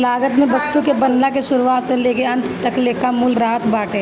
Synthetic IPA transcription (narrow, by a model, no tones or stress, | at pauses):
laːɡət̪mẽbɐst̪ukebɐnlak̬eʃʊɾʋaːt̪seleːkeɐ̃nt̪ʰt̪ɐkleːkamʊlɾaːɦət̪baːʈʰẽː